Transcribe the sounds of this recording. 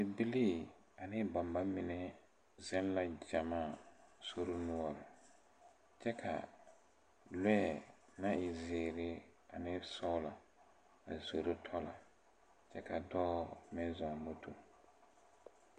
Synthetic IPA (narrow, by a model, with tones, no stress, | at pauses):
bɪ˨bi˦liː˦˨ | a˨nɪ˦ba˨mba˦mɪ˨nɛ˦ | zɛ˦n˦la˦d͡ʒa˨mãː˦˨so˦ɾo˦nʊ̃˦ɔ˨ɾɪ˨ | t͡ʃɛ˦kʰa̰˨ | lɛ˦˨ | nã˦ɪ˨zɪː˨ɾɪ˦a˨nɪ˦sɔ˦la˨ | a̰˨zo˨ɾo˦tʰɔ˦la˨ | t͡ʃɛ˦kʰa˨dɔː˦mɪ̃˦za˨mo˦tʰo̰˨